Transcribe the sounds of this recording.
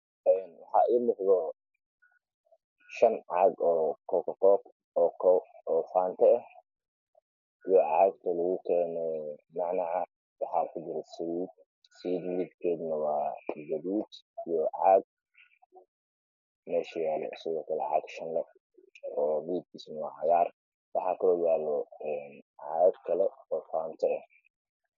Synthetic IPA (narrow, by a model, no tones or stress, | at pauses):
ɛnwɑħɑ̰ːʔiːlɪhðɔ | ʃɐnʕɑɡɔːkʰɔkɐkɔːk | ɔːkʰɔ | ɔːfaːnt̪ʰɐː | ijɔʕɑːɡ̚t̪ʰɐlɐɣʊkʰɛːnɛɛmɑʕnɐʕ | wɑħaːkʰʊd͡ʒɪɾɛsɐwiːd̪̚ | sid̪mɪid̪kʰɛːd̪nɐwaːɡɐβuːd̪ijɔʕɑːɡ̚ | mɛːʃɐjaːlɔ̰ʊsɪɣɔːkʰɐlɛ̰ʕa̰ɡʃɐnlɛ | ɔːmid̪̚kʰiːsnɐwa̰ːʕɑjaːr | wɑħɑːkʰɐlɔːjaːlɔɛnʕɑɡ̪kʰɐlɛɔːfaːnt̪ʰɐːh